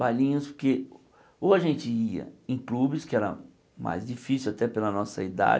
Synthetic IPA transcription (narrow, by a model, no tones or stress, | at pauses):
bajlĩɲʊspoɾke | oaʒẽnt͡ʃɪiɐ̰ẽj̃klubɪskɪɛɾɐ̰ | ma̰jzd͡ʒifisiwat̪ɛpelɐnɔsɐ̰id̪a̰d͡ʒ